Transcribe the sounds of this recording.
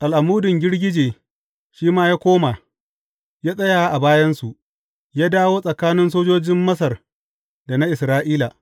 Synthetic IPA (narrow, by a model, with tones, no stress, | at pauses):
ʔa˨lʔa˨muː˦dʊ˨ŋɡʲɪ˦ɽɡʲɪ˦d͡ʒeː˨ | ʃiː˦maː˦jaː˦kʷoː˦ma˨ | jaː˦sʼɐ˦jaː˨˦ʔa˨baː˦jɐ˦nsu˨ʔ | jaː˦daː˦woː˦sʼɐ˨kaː˦nɪ˦nsoː˦d͡ʒoː˦d͡ʒɪ˦mːɐ˦s̬ɐ˨r | da˨na˦ʔɪ˨sɾaː˦ʔiː˦la˨